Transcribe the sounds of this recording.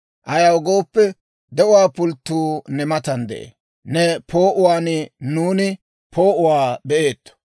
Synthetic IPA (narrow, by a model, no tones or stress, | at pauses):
ʔɐjɐwɔɡoːpːɛ | d̪ɛʔʊwaːpʊlt̪ːuːnɛmɐt̪ɐnd̪ɛ̰ʔḛː | nɛpʰo̞ːʔʊwaːnɪnuːnɪ | pʰo̞ːʔʊwaːbɛʔe̞ːt̪ːɔ̥